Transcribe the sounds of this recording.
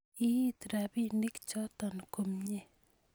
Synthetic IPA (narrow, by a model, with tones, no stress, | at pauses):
i˦t̪ɾa˨bi˦ni˦kt͡ʃɔ˦t̪ɔ˨nko˨mɲe˦˨